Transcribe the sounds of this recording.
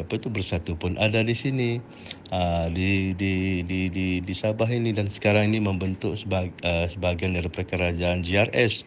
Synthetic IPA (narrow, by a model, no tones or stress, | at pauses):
apait̪ubərsat̪upʊnʔadadisini | ədididididisabaɦinidansə̥kaɾaŋiniməmbənt̪ʊk̚səəsəbaɡajndalipərkəɾad͡ʒaːnd͡ʒiarɛs